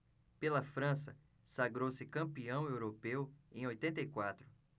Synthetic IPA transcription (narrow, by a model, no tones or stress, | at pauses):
pelɐfɾɐ̃sɐ | saɡɾowsɪkɐ̃mpiɐ̃w̃ewɾopewẽj̃ojt̪ẽt̪ɐikwat̪ɾʊ